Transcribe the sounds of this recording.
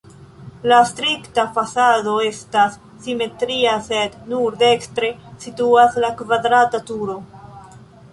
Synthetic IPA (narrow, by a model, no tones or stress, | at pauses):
lastɾiktafasado̞e̞stasː | ime̞tɾiase̞dnuɾde̞kstɾe̞situaslakvadɾatatuɾo̞